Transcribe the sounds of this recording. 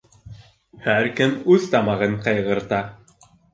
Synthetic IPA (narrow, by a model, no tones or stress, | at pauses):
hæɾkɘmʉðt̪ɑmɑʁɤɴqɤ̆jʁɤ̆ɾt̪ɑ